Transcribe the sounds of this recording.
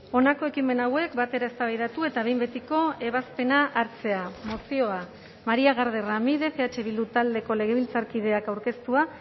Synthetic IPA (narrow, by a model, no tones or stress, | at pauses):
o̞nako̞e̞kime̞nawe̞kbat̪e̞ɾaest̪aβajðat̪ue̞t̪aβe̞jmbe̞t̪iko̞e̞β̞aspe̞naʔaɾt͡se̞amo̞sio̞a | maɾiaɣ̞aɾð̞e̞ramiðe̞fe̞at͡ʃe̞βild̪ut̪ald̪e̞ko̞le̞ɣ̞e̞β̞ilt͡saɾkiðe̞akawɾke̞st̪ua